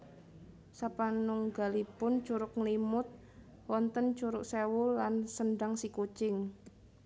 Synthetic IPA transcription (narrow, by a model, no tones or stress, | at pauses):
sapanʊŋɡa̤lipʊnt͡ʃuɾʊkŋlimʊt̪̚ | wɔnt̪ənt͡ʃuɾʊksewʊlansənɖaŋsikut͡ʃɪŋ